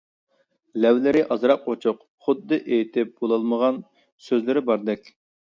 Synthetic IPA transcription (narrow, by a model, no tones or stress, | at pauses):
lɛwlɪɾɪʔɑzɾɑq̚ːot͡ʃʰʊq | χʊd̪ːɨʔejt̪ʰɪp̚b̥olˠɑlˠməʁɑn | søzlɪɾɪbɑɾd̪ɛkʲ